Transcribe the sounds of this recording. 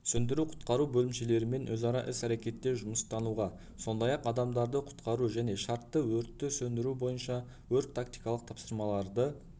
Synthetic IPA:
sɵnd̪ɪɾuqʰʊ̥t̪qɑɾubɵlɪmʃe̞le̞ɾɪme̞nwɵzɑɾɑʔɪsæɾe̞kʲe̞t̪ːe̞ʒʊməst̪ɑnuʁɑ | so̞nd̪ɑjɑqɑd̪ɑmd̪ɑɾd̪əqʰʊ̥t̪qɑɾuʒæne̞ʃɑɾt̪ːəwɵɾt̪ːɪsɵnd̪ɪɾubo̞jənʃɑ | wɵɾt̪t̪ʰːak̚t̪ijkɑlˠəq̚t̪ʰɑpsəɾmɑlˠɑɾd̪ə

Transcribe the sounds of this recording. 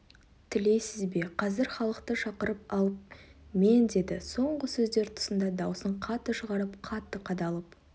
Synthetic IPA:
t̪ʰɪle̞jsɪzbe̞qʰɑzɪɾχɑlˠəqt̪əʃɑqəɾəp̚ɑlˠəp̚me̞nd̪e̞d̪ɪso̞ɴʁəsɵzd̪e̞ɾt̪ʰʊ̥sənd̪ɑd̪ɑwsəɴqʰɑt̪ːəʃəʁɑɾəpqʰɑt̪ːəqʰɑd̪ɑlˠəp̚

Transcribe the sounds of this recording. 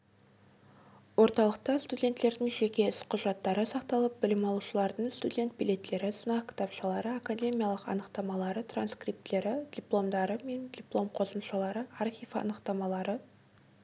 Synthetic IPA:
wo̞ɾt̪ɑlˠəq̚t̪ɑst̪udʲe̞nt̪lːe̞ɾd̪ɪŋʒe̞kʲe̞ɪsqʰʊʒɑt̪ːɑɾəsɑqt̪ɑlˠəp̚bɪlɪmɑlˠuʃəlˠɑɾd̪əɴst̪udʲe̞nt̪̚bilʲe̞t̪ːe̞ɾɪsənɑqkʲʰɪ̥t̪ɑpʃɑlˠɑɾəakadʲe̞mijɑlˠəqɑ̰nəqt̪ɑmɑlˠɑɾət̪ʰranskrijp̚t̪ːe̞ɾɪd̥̪ʲijplˠo̞md̪ɑɾəme̞nd̪ʲiplˠo̞mqʰo̞səmʃɑlˠɑɾəarχʲijvɑ̰nəqt̪ɑmɑlˠɑɾə

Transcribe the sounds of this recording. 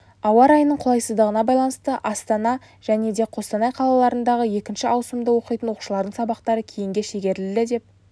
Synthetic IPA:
ɑwɑɾɑjənəɴqʰlˠɑjsəzd̪əʁənɑbɑjlˠɑnəst̪əʔɑst̪ɑnɑ | ʒ̥æne̞d̪e̞qʰo̞st̪ɑnɑjqʰɑlˠɑlˠɑɾənd̪ɑʁəje̞kʲɪnʃɪɑwsəmd̪əwo̞qijt̪ənwo̞qu̥ʃəlˠɑɾd̪əɴsɑbɑqt̪ɑɾəkʲʰejɪŋɡʲe̞ʃe̞ɡʲe̞ɾlɪd̪ɪd̪e̞p̚

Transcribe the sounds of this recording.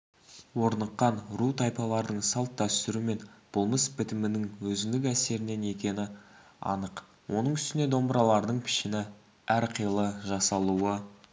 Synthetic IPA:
wo̞ɾnəqːɑnɾut̪ʰɑjpɑlˠɑɾd̪əɴsɑlˠt̪̚d̪æst̪ɪɾume̞nb̥ʊlˠməsbɪt̪ɪmɪnɪŋwɵzɪŋd̪ɪkæse̞ɾɪne̞ne̞kʲe̞nɪ | ɑ̰nəq | wʔo̞nəɴʏst̪ɪne̞d̪o̞mbəɾɑlˠɑɾd̪əɴpʰɪ̥ʃɪnɪ | æɾqʰəjlˠəʒɑsɑlˠuə

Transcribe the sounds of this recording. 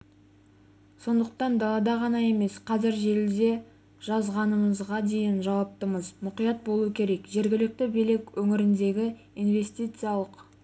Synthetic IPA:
so̞nd̪əqt̪ɑnd̪ɑlˠɑd̪ɑʁɑnɑe̞me̞sqʰɑzɪɾʒe̞ld̪e̞ | ʒ̥ɑzʁɑnəməzʁɑd̪e̞jɪnʒɑwɑp̚t̪əməzmʊqijɑt̪̚bo̞lˠuəkʲʰe̞ɾe̞kʒe̞ɾɡʲɪlɪk̚t̪ɪbijlekʲwɵŋɪɾɪnd̪e̞ɡʲɪ | ijnve̞st̪ijt̪sɨjalˠəq

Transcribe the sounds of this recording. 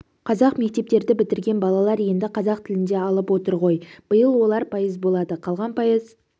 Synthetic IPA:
qʰɑzɑqme̞k̚t̪e̞p̚t̪e̞ɾd̪ɪbɪt̪ɪɾɡʲe̞nbɑlˠɑlˠɑɾje̞nd̪ɪqʰɑzɑq̚t̪ʰɪlɪnd̪e̞ɑlˠəpwo̞t̪əɾʁo̞jb̥əjəlˠwo̞lˠɑɾpʰɑjəzbo̞lˠɑd̪əqʰɑlˠʁɑnpʰɑjəz

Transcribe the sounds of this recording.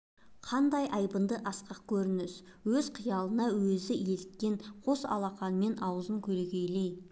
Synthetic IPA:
qʰɑnd̪ɑjʔɑjbənd̪əʔɑsqɑq̚kʲʰɵɾɪnɪs | wɵzqʰijɑlˠənɑwɵzɪje̞lt̪̚kʲe̞ɴqʰo̞sɑ̰lˠɑqɑnəme̞nʔɑwəzəŋkʲʰɵlekʲejle̞j

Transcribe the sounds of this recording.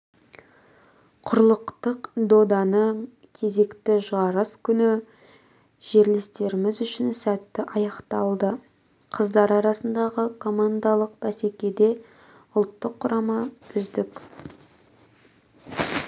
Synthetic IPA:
qʰʊɾlˠəqt̪əqd̪o̞d̪ɑnə | kʲʰe̞ze̞kt̪ɪʒɑɾəskʲʰʏnɪ | ʒ̥e̞ɾlɪst̪e̞ɾɪmɪzʏʃɪnsæt̪ːɪʔɑjɑqt̪ɑlˠd̪ə | qʰəzd̪ɑɾɑɾɑsənd̪ɑʁəkʰo̞mand̪ɑlˠəq̚b̥æse̞kʲe̞d̪e̞ | ʊlˠt̪ːəqʰːʊɾɑmɑʏzd̪ɪk

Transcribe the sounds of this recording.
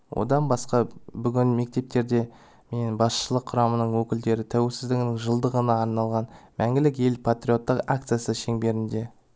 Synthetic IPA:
wʔo̞̰d̪ɑnbɑsqɑbʏɡʲɪnme̞k̚t̪e̞p̚t̪e̞ɾd̪e̞ | me̞nbɑsʃəlˠəqʰːʊɾɑmənəɴwɵkʲɪld̪e̞ɾɪt̪ʰæwe̞lsɪzd̪ɪɡʲɪnɪŋʒəlˠd̪əʁənɑːɾnɑlˠʁɑnmʔæŋɡʲɪlɪke̞lpʰat̪ɾʲio̞t̪ːəqak̚t̪sɨjasəʃe̞ŋbe̞ɾɪnd̪e̞

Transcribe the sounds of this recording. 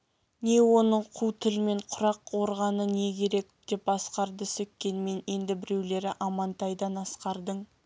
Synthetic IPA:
ne̞wo̞nəɴqʰut̪ʰɪlme̞ɴqʰʊɾɑqwo̞ɾʁɑnəne̞kʲʰe̞ɾe̞kd̪̥e̞pɑsqɑɾd̪əsɵkʲkʲːe̞nme̞ne̞nd̪ɪbɪɾe̞wle̞ɾɪʔɑmɑnt̪ɑjd̪ɑnɑsqɑɾd̪əɴ

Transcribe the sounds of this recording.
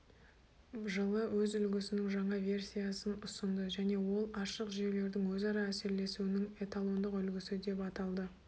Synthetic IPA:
ʒəlˠəwɵzʏlɡʲɪsɪnɪŋʒɑɴɑve̞rsʲijasənʊsənd̪əʒæne̞wo̞lˠɑʃəqʒije̞wle̞ɾd̪ɪŋwɵzɑɾɑæse̞ɾle̞suwɪnɪŋe̞t̪alˠo̞nd̪əqʏlɡʲɪsɪd̪e̞pɑt̪ɑlˠd̪ə

